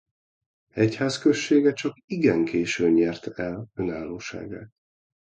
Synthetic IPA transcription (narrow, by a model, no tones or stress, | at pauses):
ɛchaːskø̞ʃːeːɡɛt͡ʃɒkiɡɛŋkeːʃøːɲɛrt̪ɛlønaːlːoːʃa̰ːɡa̰ː